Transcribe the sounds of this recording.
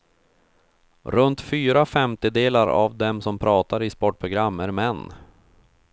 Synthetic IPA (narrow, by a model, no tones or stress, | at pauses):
ɾɵnt̪fyːɾafɛmt̪ɪd̪eːlaɾa̰vd̪ɛmsɔmpʰɾʔɑːt̪aɾɪspɔʈ̚pʰɾʊɡɾamːæɾmɛnː